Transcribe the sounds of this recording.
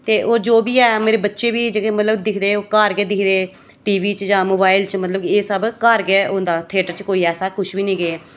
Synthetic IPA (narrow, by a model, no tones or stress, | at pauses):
t̪eːʔoːd͡ʒoːbiːɛːmeːɾeːbətːʃeːbiːd͡ʒeːkeːmət̪ləbd̪ɪkʰd̪eːoːkəɾɡeːd̪ɪkʰd̪eː | ʈiːʋiːt͡ʃd͡ʒãːmoːbaːɪlt͡ʃmət̪ləbeːsəbkəɾɡeːʊ̃ːnd̪aːt̪ʰeːʈəɾt͡ʃkoːiːɛːsaːkʊʃbiːnĩːɡeɛː